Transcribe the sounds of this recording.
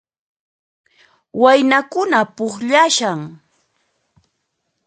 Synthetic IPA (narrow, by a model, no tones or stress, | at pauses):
wajnakʊnapʊχʎaʃaŋ